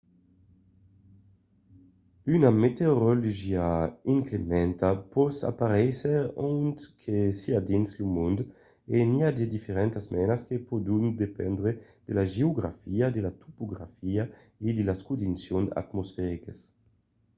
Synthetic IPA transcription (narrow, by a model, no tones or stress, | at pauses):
ynamet̪eoɾoluʒiaiŋklemɛnt̪apɔsa̰paɾɛseont̪kʰesiad̪inslumund̪ | eniad̪ed̪ifeɾɛnt̪asmɛnaskepod̪und̪epɛnd̪ɾe | d̪̥elaʒeoɡɾa̰fiad̪elat̪ʰupoɡɾa̰fia | ed̪elaskud̪insjona̰t̪mosfɛɾikes